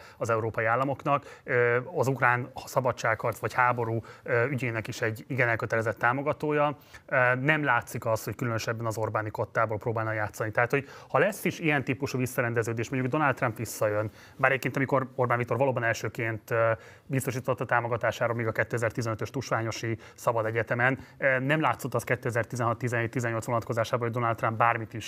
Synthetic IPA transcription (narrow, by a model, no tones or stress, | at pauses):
ɒzɛuɾoːpɒjiaːlːɒmo̞knɒkː | ɒzukraːnsɒbɒt͡ʃːaːkhɒrt̪sʋɒchaːbo̞ɾuːøːyɟeːnɛkiʃɛɟːiɡɛnɛlkøt̪ɛlɛzɛt̪ːaːmo̞ɡɒt̪oːjɒ | nɛmlaːt̪sikɒsho̞ckylønøʃɛbːɛnɒzo̞rbaːniko̞t̪ːaːbo̞lproːbaːlnɒjaːt̪sɒnit̪ɛɦat̪ho̞ɟhɒlɛsːiʃijɛnt̪iːpuʃuːvisːɒɾɛnd̪ɛzøːd̪eːʃmo̞ɲɟuɡd̪o̞nɒlt̪ːrɒmpʋisːɒjøn | baɾɛɟekent̪ɒmiko̞ro̞rbanvikt̪o̞rvɒloːbɒnɛlʃøːkeːnt̪ | bist̪o̞ʃ̬iːt̪ot̪ːɒt̪aːmoɡɒt̪aːʃaːɾoːlmeːɡɒkɛt̪ːøːɛzɛrt̪izɛnøt̪øʃt̪uʃʋaːɲo̞ʃi | sɒbɒd̪ɛɟɛt̪ɛmɛnːɛmlaːt̪so̞t̪ːɒskɛt̪ːøːɛzɛrt̪izɛnɦɒt̪ːizɛnɦeːt̪ːizɛɲːo̞lt̪sʋonɒt̪ko̞zaːʃaːboloɟd̪o̞nɒlt̪ːrɒmbbaːrmit̪iʃ